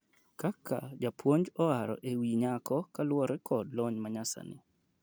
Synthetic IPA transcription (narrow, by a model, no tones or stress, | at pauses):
kaka̰d͡ʒapʰwoɲd͡ʒɔaɾɔ̰ʔewiɲakɔkalwɔɾɛkʰɔdlɔɲmaɲasa̰nɪ̰